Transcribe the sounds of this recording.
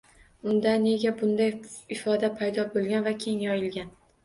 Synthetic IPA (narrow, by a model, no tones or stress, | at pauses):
ʊnd̪ane̞ɡʲabʊnd̪ajɪfɒd̪apʰajd̪ɒbolˠɡʲanvakʲʰe̞ŋjɒjɪlɡʲan